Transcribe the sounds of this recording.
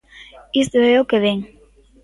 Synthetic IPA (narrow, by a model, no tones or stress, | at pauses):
ist̪βeokeβeŋ